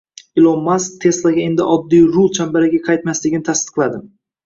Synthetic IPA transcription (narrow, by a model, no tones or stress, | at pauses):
ɪlˠɒmːast̪ʰe̞slˠaɡʲae̞nd̪ɪʔɒd̪ːijɾʊlˠt͡ʃʰambaɾaɪɡʲaqʰɑajt̪maslɪɡʲɪnɪt̪ʰast̪ɨ̥qlˠad̪ɪm